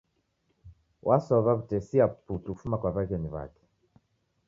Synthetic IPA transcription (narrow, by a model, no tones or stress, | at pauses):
wʔasɔβaβutɛsiaputuku̥fumakwaβaɣɛniβa̰kɛ̥